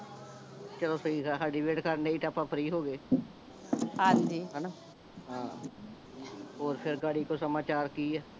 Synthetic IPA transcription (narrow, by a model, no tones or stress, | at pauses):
t͡ʃəloːsəiːaɦaːɖiːbeːʈkəɾneːiːʈaːpãːpʰəɾiːɦoːɡeː | ɦãːɲd͡ʒiːɦɛːnaː | ɦãː | oːɾpʰɪɾɡaːɽiːkoːsəmaːt͡ʃaːɾkiːɛː